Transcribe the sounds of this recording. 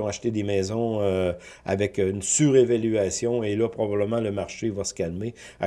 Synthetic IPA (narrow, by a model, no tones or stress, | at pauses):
ɔ̃aʃt̪ed̪emɛːzɔ̃ø | a̰vɛkynsyʁevalyasjɔ̃elʌpʁɔbabləmɑ̃ləmaʁʃevasə̥kʲalme | a̰